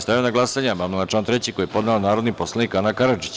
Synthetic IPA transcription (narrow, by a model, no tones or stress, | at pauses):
st̪ajonaɡlˠasaɲebamilat͡ʃlaːnt̪ɾet͡ɕiko̞jepo̞d̪naonaːɾod̪niposlˠanikanakaɾad͡ʒi̥t͡ɕ